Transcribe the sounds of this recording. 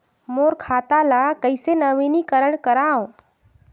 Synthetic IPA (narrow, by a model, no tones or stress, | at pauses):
moːɾkʰaːt̪alakəɪsenəʋinikəɾəɳkəɾaõ